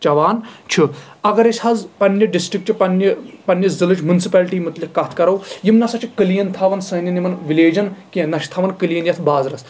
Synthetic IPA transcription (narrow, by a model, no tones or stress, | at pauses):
t͡ʃɐʋaːnt͡ʃʰi | ɐɡɐɾesʲhɐzpɐnjɐɖisʈɾik̚ʈt͡ʃʰipɐnjɐpɐnːjɐzilɨt͡ʃmjunsipɛːlʈiːmut̪likːɐt̪ʰkɐɾɐwjimnɐsɐt͡ʃʰikəlijɐnt̪ʰɐʋɐnsɐnɐnimɐnʋileːd͡ʒɐnkinɐʃt̪ʰɐʋɐnkəlijɐnjɐt̪ʰbaːzɾɐs